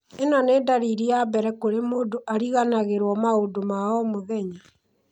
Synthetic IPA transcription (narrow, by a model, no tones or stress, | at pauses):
enɔneːdaɾiɾiabɛɾɛkoɾemoːdoʔaɾiɣanaɣeɾwɔmaodomaɔmoðɛɲi